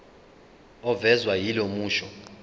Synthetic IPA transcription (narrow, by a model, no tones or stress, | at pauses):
ɔvɛzwajilomuːʃɔ